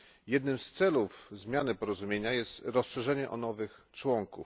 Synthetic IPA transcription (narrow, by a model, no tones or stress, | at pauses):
jɛd̪nɘmst̪sɛlufzmʲjanɘpɔɾɔzumʲjeɲajɛst̪ɾɔsʂɛʐɛɲɛʔɔnɔvɘxt͡ʂwɔŋkṵf